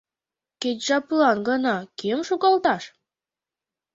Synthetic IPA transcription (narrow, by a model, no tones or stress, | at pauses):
ket͡ɕʲʒɑplɑnɡɤnɑkemʃuɣɑlt̪ɑʃ